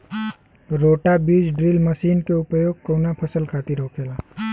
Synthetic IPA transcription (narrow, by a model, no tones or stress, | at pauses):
ɾoːʈabiːd͡ʒɖɾilməsiːnkeʊpjoːɡ̚koːnapʰəsəlkʰaːt̪iɾoːkʰeːlaː